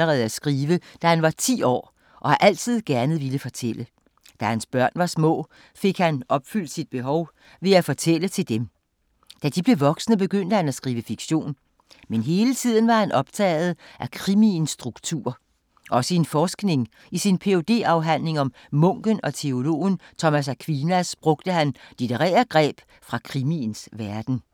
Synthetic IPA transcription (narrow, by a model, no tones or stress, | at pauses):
əʁɛːð̩ˠæsɡ̥ʁiːʋəd̥æhænʋɑ̈t͡sʰḭːɒ̰ː | ʔɒ̽hɑ̈ʔæl̰t͡sʰið̞̰ˠɡ̥æɐnəð̩ˠʋiləfɒ̽t͡sʰel̰ə | d̥æhænsb̥ɶɐ̰nʋɑ̈smɔ̰̽ː | fe̝ɡ̥hænʔɒ̽b̥fyl̰d̥sid̥̚b̥e̝ɦɒʊ | ʋe̝æfɒ̽t͡sʰel̰ət͡sʰe̝ld̥em | d̥æd̥ib̥le̝ʋɒ̽ɡ̥snəb̥e̝ɡ̥øn̰d̥əhænæsɡ̥ʁiːʋəfiɡ̥ɕo̝̰ːn | menɦe̝ːlət͡sʰið̞̰ˠn̩ʋɑ̈hænʔɒ̽b̥̚t͡sʰɛ̰ːɪð̞̩ˠʔækʰʁiminsːd̥ʁuɡ̥t͡sʰṵɐ̰ | ʔɒ̽səenfɒːsɡ̥ne̝ŋ | isinpʰe̝o̝d̥e̝̰ːɑ̈ʊɦæn̰le̝ŋɒ̽mː | ɔ̽ŋ̰ɡ̥ənɒ̽t͡sʰe̝o̝lo̝̰ːnt͡sʰɒ̽mæs̬ækʰʋinæsb̥ʁɔ̽ɡ̥̚d̥əɦænd̥id̥eʁɛ̰ːɐɡ̥ʁɛ̰ːb̥ | fʁɑ̈kʰʁiminsʋæɐd̥n̩